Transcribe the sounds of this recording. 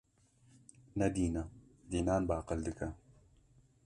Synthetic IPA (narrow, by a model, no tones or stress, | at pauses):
nɛd̪iːnɐd̪iːnaːnbaːqɨld̪ɨkʰɐ